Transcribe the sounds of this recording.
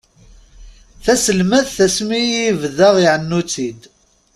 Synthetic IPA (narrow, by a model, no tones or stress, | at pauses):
θæsəlmæðθæsmijvðəʁiʕənːut͡sːid̪